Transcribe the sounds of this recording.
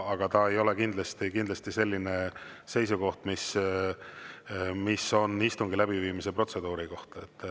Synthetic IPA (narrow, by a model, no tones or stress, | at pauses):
ɑɡ̥ɑt̪ɑe̞jo̞le̞kind̪lɑst̪ikind̪lɑst̪ise̞lʲːine̞se̞jsuko̞ht̪mis | miso̞nːist̪uŋɡilæbiviːmise̞pro̞t̪se̞d̪̥uːɾiko̞ht̪ɑet̪ː